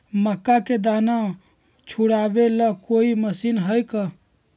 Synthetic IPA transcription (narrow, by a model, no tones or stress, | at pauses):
məkːaked̪ana | t͡ʃʰuɽabeləkoiməsinɦəjkə